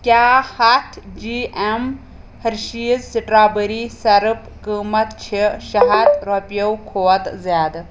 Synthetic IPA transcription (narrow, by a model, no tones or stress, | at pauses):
kʲjaːhɐt̪ʰd͡ʒiːem | hɐɾʃiːzsiʈɾaːbəɾisɐɾɨp | kəːmɐt̪t͡ʃʰiʃɐɦat̪ɾopjɐwkʰoːɐt̪zjaːd̪